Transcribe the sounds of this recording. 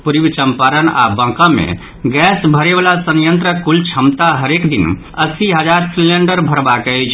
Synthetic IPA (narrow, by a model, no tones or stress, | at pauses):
puɾibt͡ʃəmpaɾəna̰bə̃kə̃mḛ | ɡɛsbʱəɾebalasənjənt̪ɾəkult͡ʃʰəmt̪aɦəɾekd̪in | əsiɦəd͡ʒaɾsileɳɖəɾbʱəɾbakəjt͡ʃʰ